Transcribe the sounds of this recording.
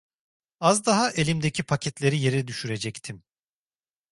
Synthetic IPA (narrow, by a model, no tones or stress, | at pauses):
azd̪aɦaʔe̞lʲimd̪ecʰipʰacʰɛt̪lʲe̞ɾije̞ɾɛd̪yʃyɾe̞d͡ʒɛct̪ʰim